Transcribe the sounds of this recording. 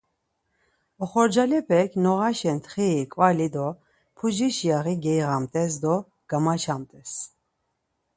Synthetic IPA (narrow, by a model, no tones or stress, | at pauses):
ɔχɔɾd͡ʒalɛpʰɛkʰnɔʁaʃɛnt̪ʰχɛːkʼvalid̪ɔ | pʰud͡ʒiʃjaʁiɡɛjʁamt̪ʼɛs̬d̪ɔ | ɡ̥amat͡ʃʰamt̪ʼɛs